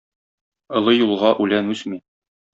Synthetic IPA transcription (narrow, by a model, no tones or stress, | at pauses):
ŏlˠɤjulˠʁɑʔʉlænʉsmi